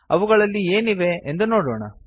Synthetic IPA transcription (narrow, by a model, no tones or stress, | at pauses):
ɐ̰ʋuɡɐɭɐlːieːniʋe̞end̪uno̞ːɽo̰ːɳɐ̰